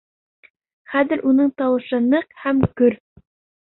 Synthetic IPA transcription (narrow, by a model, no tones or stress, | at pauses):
χæðɘ̆ɾʔunɤɴt̪ɑwɤ̆ʃɤnɤqhæmkɵɾ